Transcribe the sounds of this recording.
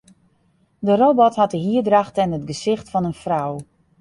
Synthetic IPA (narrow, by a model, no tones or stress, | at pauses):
dərobɔthat̚dəɦiədraxtɛnətɡəsɪxtfɔnənfrɔw